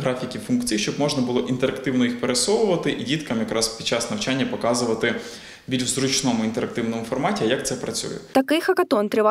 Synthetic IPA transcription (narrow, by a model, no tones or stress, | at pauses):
ɦɾɑfʲikʲifunkt͡sʲijʃt͡ʃɔbmɔʒnɐbʊlˠɔʔint̪eɾɐkt̪ɪwnɔjixpeɾesɔʋʊʋɐt̪ɪʔidʲit̪kɐmjɐkɾɑspʲid̥̪t͡ʃɑsnɐwt͡ʃanʲːɐpɔkɑzʊʋɐt̪ɪ | bʲilʲʃzɾʊt͡ʃnɔmʊint̪eɾɐk̚t̪ɪwnɔmʊfɔrmɑtʲiɐjɐk̚t̪sɛpɾɐt͡sʲṵjɛ̰t̪ɐkɪxɐkɐt̪ɔnt̪ɾʲɪʋɑ